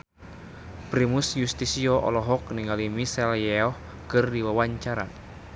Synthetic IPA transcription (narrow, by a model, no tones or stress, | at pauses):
pɾimusjust̪isiɔʔɔ̰lɔɦɔk̚niŋalimisɛljɛɔh | kɨrdiwawaɲt͡ʃaɾa̰